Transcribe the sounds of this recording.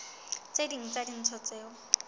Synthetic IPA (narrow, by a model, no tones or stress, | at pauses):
t͡sediŋ̩t͡sadin̩t͡sʰɔt͡sɛːɔ